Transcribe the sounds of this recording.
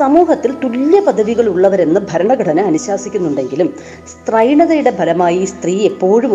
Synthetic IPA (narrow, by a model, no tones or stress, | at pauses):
sɐmuːhɐt̪ːilt̪uljɐpɐd̪ʱːɐðiɣɐɭuɭːɐʋɐɾe̞nːɨbʱɐɾɐɳɐɡɐʈʰɐnɨɐnuɕaːsikʲːunːuɳɖe̞ŋɡilum | st̪rɐjɳɐðɐjuɽe̞bʱɐlɐmaːjist̪riːe̞pːo̞ːɻum